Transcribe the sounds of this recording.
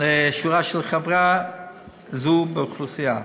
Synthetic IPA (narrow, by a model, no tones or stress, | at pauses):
leʃuʁaʃɛlχavʁa | zubeuχlusija